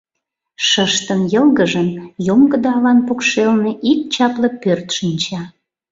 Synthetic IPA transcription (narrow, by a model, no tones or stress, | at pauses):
ʃəʃt̪ənjəlɣəʒənjomɡəd̪ɑːlɑnpokʃelneʔik̚t͡ɕɑplɤ̆pørt̪ʃinʲt͡ɕɑ